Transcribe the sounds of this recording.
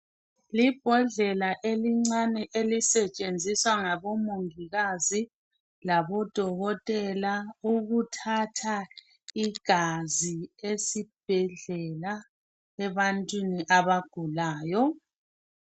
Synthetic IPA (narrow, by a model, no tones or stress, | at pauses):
lib̥ʱɔɮɛlaʔeliŋ͡ǀanɛʔelisɛt͡ʃʼend͡zʱiswaŋaβɔmoŋiɣazi | laβɔd̥ʱɔɣɔtʼɛlauɣutʰatʰa | iɡ̥ʱaziesib̥ʱɛɮɛla | ɛβantʼwiniʔaβaɡ̥ʱulaːjɔ